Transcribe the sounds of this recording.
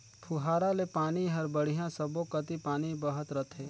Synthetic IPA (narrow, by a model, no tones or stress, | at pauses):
pʰuɦaːɾalepaːniɦɐɾbəɽ̤ijãsəbokət̪ipaːnibəɦət̪ɾət̪ʰɦeː